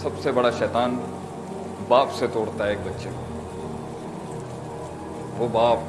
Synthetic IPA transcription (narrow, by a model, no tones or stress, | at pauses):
sɐbsebɐɽaʃɛːt̪aːn | baːpset̪oːɽt̪aɦeːk̚bɐtːʃeː | ʋoːbaːp̚